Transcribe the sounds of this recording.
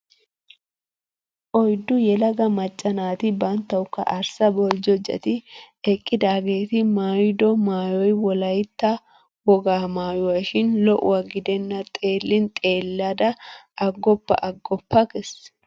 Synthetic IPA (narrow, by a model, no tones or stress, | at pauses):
ʔɔjd̪ːʊjɛlɐɡɐmɐt͡ʃʼːɐnaːt̪ɪbɐnt̪ːɐwʊkːɐ̰ʔɐɾsɐbɔld͡ʒɔd͡ʒɐ̰t̪ɪ | ɛkʼːɪd̪aːɡe̞ːt̪ɪmaːjd̪ɔmaːjɔjwɔlɐjt̪ːɐ | wɔɡaːmaːjʊwɐʃɪnlɔʔʊ̰wɐɡɪd̪ɛnːɐt̪ʼe̞ːlːɪnt̪ʼe̞ːlːad̪ɐʔɐɡːɔpːɐ̰ʔɐɡːɔpːɐkɛs